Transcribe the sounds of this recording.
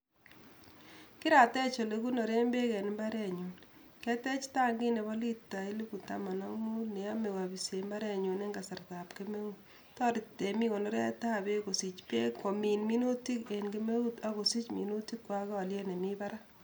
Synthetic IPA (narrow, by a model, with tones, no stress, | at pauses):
kɪ˦ɾa˨tɛ˦t͡ʃo˨le˨ku˦nɔ˨ɾe˦mbe˦kɛ˨n˨mba˦ɾɛ˦ɲu˨n | kɛ˦tɛ˦t͡ʃta˦ŋɡi˦ne˨βɔ˦li˦tːa˨i˦lu˦bu˨ta̰˦ma˨na˦mu˦ne˨a˦me˨ka˨bi˨se˨mba˦ɾɛ˦ɲo˨ne˦ŋɡa˨sa˨rta˨pke˦me˦u˦ | tɔ˦ɾɪ˨te˨mi˦ko˨nɔ˦ɾɛ̰˦ta˦be˦ko˨si˨t͡ʃpe˦ko˨mi˨nmi˦no˦ti˦ke˨nke˦me˦u˦ta˦ko˨si˦t͡ʃmḭ˨no˦ti˦kːwa˦kɔ˨ljɛ˦ne˨mi˦ba˦ɾa˦